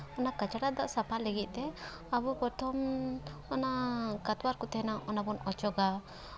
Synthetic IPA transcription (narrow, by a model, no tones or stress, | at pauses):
ɔnakat͡ʃaʈaʔd̪aʔsapʰalɛɡit̪̚ˀt̪ɛ | abɔpɔt̪ʰɔmɔnakat̪waɾkɔt̪ɛɦɛnaʔɔnabɔnɔt͡ʃɔɡa